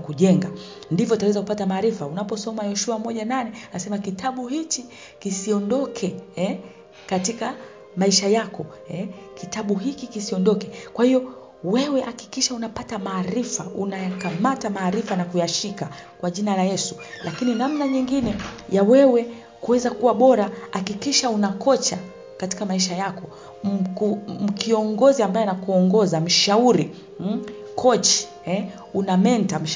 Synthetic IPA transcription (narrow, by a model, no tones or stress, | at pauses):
kuʄɛŋɡandivjɔtawɛzaku̥patamaːɾifaunapɔsɔmajɔʃuamɔʄananɛasɛmakitʰaɓuhit͡ʃi | kisiɔndɔkʰɛɛ | katika | maiʃajakɔ | ɛkitaɓuɦikikisiɔndɔkɛkwahijɔ | wɛwɛʔaki̥kiʃaunapatamaːɾifaunajakamatamaːɾifanakujaʃikakwaʄinalajɛsu̥ | lʔakininamnaɲiŋɡinɛjawɛwɛ | kuwɛzakuwaɓɔɾahakikiʃaunakɔt͡ʃa | kati̥kamaiʃajakɔ | kum̩kiɔŋɡɔziambajɔɛnakuɔŋɡɔzam̩ʃauɾi | kʰɔt͡ʃi̥ | ɛ | unamɛntam̩ʃ